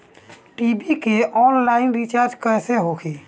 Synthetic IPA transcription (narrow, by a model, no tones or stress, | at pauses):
ʈibikeʔɔnlainɾit͡ʃaɾd͡ʒkəjseɦokʰi